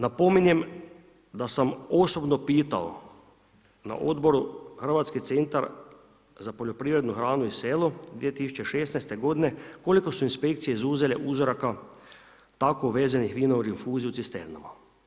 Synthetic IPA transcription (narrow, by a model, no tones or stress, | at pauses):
napo̞minje̞m | d̪asamoso̞bnopiːt̪a̰o̰ | na̰ʔo̞d̪bo̞ɾuxər̩ʋat̪skit̪e̞nt̪aɾ | zapo̞ʎo̞pɾiːʋɾe̞d̪nuxɾaːnuiseːlod̪ʋije̞t̪isu̥t͡ʃe̞ʃesnajst̪e̞ɡo̞d̪ine̞ko̞liko̞suinspe̞kt̪sije̞izuze̞leʔuzoɾaka | t̪akoʋeːzenixʋiːnoɾinfuːziut̪sist̪ḛɾna̰ma